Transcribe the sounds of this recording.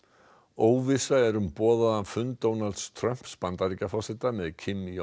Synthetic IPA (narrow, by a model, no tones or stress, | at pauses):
oːwvɪsaɛɾʏmpɔːðaðanfʏnt̪oːwnalt̪st̪ʰɾœm̥pspant̪aɾicafɔsɪt̪amɛðcʰɪmːi